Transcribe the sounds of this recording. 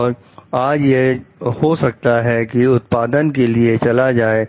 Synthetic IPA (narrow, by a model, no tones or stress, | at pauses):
ɔːɾ | aːd͡ʒjehosɐk̚t̪aɦɛkiʊt̪paːd̪ənkeliet͡ʃɐlad͡ʒaːe